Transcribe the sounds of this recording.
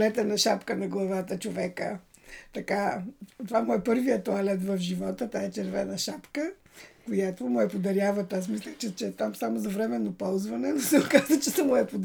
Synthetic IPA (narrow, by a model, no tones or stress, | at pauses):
lɛt̪ɛnɐʃapkənɐɡlˠɐvat̪ət͡ʃovɛkə̰ | t̪ɐkat̪ovamɔjpɤɾvijət̪oalɛt̪vɐfʒivɔt̪ət̪aɛt͡ʃɛɾvɛnɐʃapkə | kojat̪omʊɛpod̪ɐɾʲjavɐt̪asmislʲət͡ʃɛt͡ʃɛt̪amsamozɐvɾɛmɛnːopɔlˠzvɐnɛnʊsɛʊkazət͡ʃɛsɐmʊɛpʊd̪